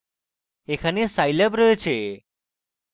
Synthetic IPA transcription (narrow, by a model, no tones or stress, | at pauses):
ekʰanesajləbɾət͡ɕʰe